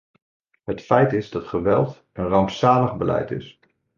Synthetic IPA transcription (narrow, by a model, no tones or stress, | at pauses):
ɦətfɛjtɪzdɑtχəʋɛ̰lˠt | ənrɑwmsaːləχbəlɛ̰jtɪ̰s